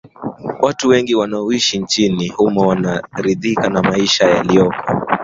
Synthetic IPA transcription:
wʔatuwɛŋɡiwanaɔiʃint͡ʃinihumawanaɾiðikanamaiʃajalijɔkɔ

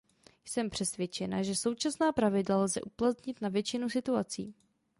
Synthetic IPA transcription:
jsɛmpr̥ɛsvjɛt͡ʃɛnaʒɛso̞wt͡ʃasnaːpɾavɪdlalzɛ̰ʔuplat̪ɲɪt̪navjɛt͡ʃɪnusɪt̪uat͡sḭː

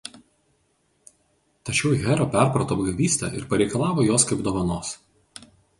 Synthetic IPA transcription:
t̪ɐt͡ʃʲɛʊɣʲɛɾoːpʲæˑɾpɾɐt̪oːbɡɐʋʲiːsʲt̪ʲɛ̰ʔɪɾpɐɾʲɛɪkɐlˠɑːʋoːjoːskɐɪbd̪oːʋɐnoːs

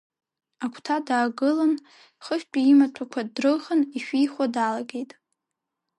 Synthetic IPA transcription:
akʷʰtʰadaːɡɨlan | χəʃᶣpʲʷʼiimatʷʰakʷʰadrɨχəniʃᶣijχʷadalaɡʲe̞jtʼ

